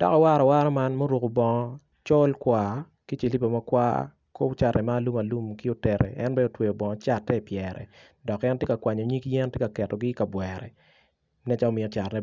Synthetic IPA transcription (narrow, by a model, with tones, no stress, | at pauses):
d̥a̰˦ka˨wa˦ɾɔ˨wa˦ɾɔ˦ma˦nmo˦ɾu˨ko˨bɔ˨ŋɔ˦ | t͡ʃɔ˦lkwa˨ | ki˦t͡ʃe˨li˦po˨ma˦kwa̰˦ | ko˦pt͡ʃa˨rnɛ˨maː˦˨lu˦ma˨lu˦mki˦o˦tɛ˨ɾɛ̰˨ʔɛ˦nbɛ˦o˨twe˨jo˨bɔ˨ŋɔ˨t͡ʃa˦tːɛ˦˨pjɛɾʔɛ̰˨ | dɔ˨kɛ˦ntje˦ka˨kwa˨ɲɔ˨ɲi˦kjɛ˦ntje˦ka˨kɛ˨tɔ˨ɡɪ˦ka˨bwɛɾɛ̰˨ | nɛ˦t͡ʃa˦o˦mɪ˨ɔ˦t͡ʃa˨tnɛ˦